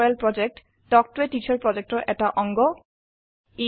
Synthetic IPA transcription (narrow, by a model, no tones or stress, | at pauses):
elpɾɔd͡ʑek̚ʈ | ɖɔk̚ʈueʈit͡ɕaɾpɾɔd͡ʑek̚ʈoʔɛʈaʔɔŋɡo | i